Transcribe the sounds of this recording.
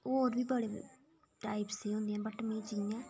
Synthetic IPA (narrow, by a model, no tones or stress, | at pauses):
oːɾʋiːbəɽeː | ʈaːipseːɦõːnd̪ɪjãːbəʈmĩːt͡ʃɪŋãː